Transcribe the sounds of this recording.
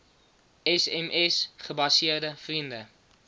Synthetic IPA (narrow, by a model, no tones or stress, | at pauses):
ɛsɛmʔɛsχəbɐsiərdəfrində